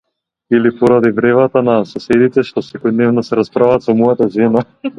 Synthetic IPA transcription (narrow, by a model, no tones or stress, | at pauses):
ilipɔɾad̪ivɾɛvat̪anasɔsɛd̪it̪ɛʃt̪ɔsɛkɔjd̪nɛvnasɛɾaspɾavat̪sɔmɔjat̪aʒɛna